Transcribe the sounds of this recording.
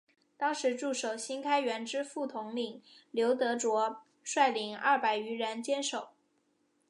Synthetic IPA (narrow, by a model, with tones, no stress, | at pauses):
t̪ɑ˥ŋʂɻ̩˧˥ʈ͡ʂu˥˩ʂo˨˩ʊɕi˥nkʰa˥ɪɥɛ˧˥nʈ͡ʂɻ̩˥fu˥˩t̪ʰʊ˧˥ŋli˨˩ŋljo˧˥ʊt̪ɤ˧˥ʈ͡ʂwɔ˧˥ | ʂwa˥˩ɪli˧˥ŋɐ̰˥˩pa˨˩ɪy˧˥ɻə˧˥nt͡ɕjɛ˥nʂo˨˩˦ʊ